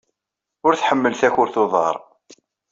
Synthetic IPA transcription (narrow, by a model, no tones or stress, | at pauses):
ʊɾθħəmːəlθæçʊɾθoðˤɑ̰ɾˤ